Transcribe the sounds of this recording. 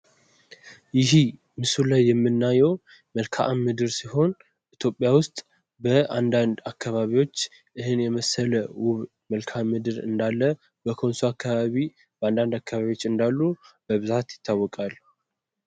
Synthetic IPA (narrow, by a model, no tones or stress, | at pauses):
jɪɦi | mɨsulajːɛmːɨnːajɛw | məlkʰaʔamːɨd̪ɨɾsiho̞n | ʔit̪ʰjo̞pʼːjawʊst̪ʼ | bəand̪and̪akʰːaβaβiwo̞t͡ʃː | ʔɨɦɨnjɛməsələwʊβ | məlkʰamːɨd̪ɨɾɨ̰nd̪alːə | bəkʰo̞nsuakːaβaβi | bəand̪and̪akːaβaβiwo̞t͡ʃːɨnd̪alːubəβɨzat̪jɪt̪ʰːawːɔkʼalː